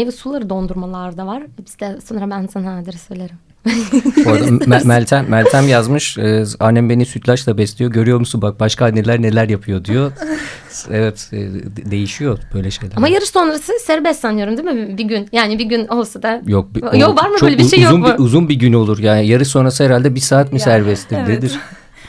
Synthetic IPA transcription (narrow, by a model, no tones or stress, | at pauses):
evisulˠaɾɯd̪o̞nd̪uɾmalˠaɾd̪avaɾ̥bizd̪ɛso̞nɾabænsanad̪iɾsøjlʲeɾim | oɾd̪aælʲt̪ʰæmːælʲt̪ʰæmjazmɯʃɯːanːæmbe̞nisyt̪ʰlʲaʃlˠabɛslʲijo̞ɟø̞ɾyjo̞ɾmusunbak̚baʃkʰaːnːelʲæɾne̞lʲæɾjapʰɯjo̞d̪ijo̞ | evɛt̪ːd̪e̞jiʃijob̥øjlʲɛʃe̞jlʲæamajaɾɯʃso̞nɾasɯsæɾbɛsanɯjo̞ɾumd̪imibiɟynjaːnibiɟynolˠsad̪ajok̚bjovaɾmɯbøːlʲeʃej̪uniuzunbiɟyno̞lˠuɾjaːnijaɾɯʃso̞nɾasɯhɛɾalʲd̪ɛbiɾsaːt̪mɯsæɾbɛst̪ʰiɾd̪ed̪iɾ̥